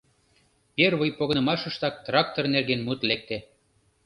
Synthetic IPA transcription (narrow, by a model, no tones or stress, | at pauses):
perβəjpoɣɤnəmɑʃə̆ʃt̪ɑk̚t̪rɑk̚t̪ornerɣenmut̪lek̚t̪e